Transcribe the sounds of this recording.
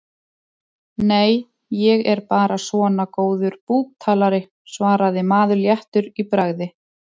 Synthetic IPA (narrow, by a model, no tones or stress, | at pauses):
neːj | jɛɣɛɾpaːɾasvɔːnakoːwðʏɾpuːk̚t̪ʰaːlaɾɪ | svaːɾaðɪmaːðʏljaht̪ʏɾipɾaɣðɪ